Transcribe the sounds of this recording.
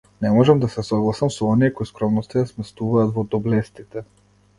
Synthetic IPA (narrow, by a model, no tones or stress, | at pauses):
nɛmɔʒɛmd̪asɛsɔɡlˠasamsɔɔniɛkɔiskɾɔmnɔst̪ajasmɛst̪uvaːt̪vɔd̪ɔblɛst̪it̪ɛ